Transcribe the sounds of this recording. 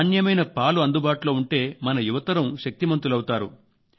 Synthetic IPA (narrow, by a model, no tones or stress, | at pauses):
njɐmɐjnɐpaːluɐnd̪ubaːʈulo̞ːuɳʈe̞ːmɐnɐjuʋɐt̪ɐɾɐmʃɐk̚t̪imɐnt̪ulɐwut̪aːɾṵ